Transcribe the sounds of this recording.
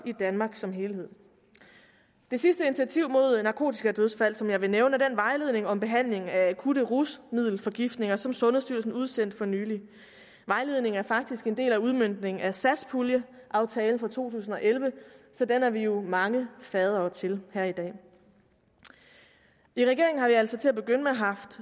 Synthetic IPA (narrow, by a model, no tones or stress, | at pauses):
id̥ænmɑ̈ːɡ̥sɒ̽mɦe̝ːlhe̝ð̰ˠ | d̥e̝sisd̥əini̥t͡sʰiæt͡sʰiʊ̰mo̝ð̞̰ˠnɑ̈kʰo̝̰ːt͡sʰi̥sɡ̥æd̥øð̞ˠsfæl̰sɒ̽mjɑ̈ɪʋe̝neʊnəd̥enʋɑ̈ɪle̝ð̞̰ˠne̝ŋɒ̽mb̥e̝ɦæn̰le̝ŋæækʰuɾ̥əʁusmið̰ˠl̩fɒ̽ɡ̥ifd̥ne̝ŋɐsɒ̽msɔ̽nð̩ˠsd̥yɐ̰lsn̩uð̞ˠsen̰d̥fɒ̽nyːli | ʋɑ̈ɪle̝ð̞̰ˠne̝ŋ̩æɐfɑ̈ɡ̥̚d̥isɡ̥e̝nd̥e̝̰ːlæuð̞ˠmøn̰d̥ne̝ŋ̩æsæ̥spʰuljə | ʔɑ̈ʊt͡sʰɛːln̩fɒ̽t͡sʰo̝̰ːt͡sʰṵːsn̩ɒ̽ʔelʋəsɒ̽d̥enæɐʋijo̝mɑ̈ŋəfɛːð̞ˠɐːt͡sʰe̝lhæɐ̰id̥ɛ̰ː | iʁɛɡe̝ɐ̰eŋ̩ɦɑ̈ʋiæl̰sɒ̽t͡sʰe̝æb̥e̝ɡ̥øn̰əmeɦɑ̈fd̥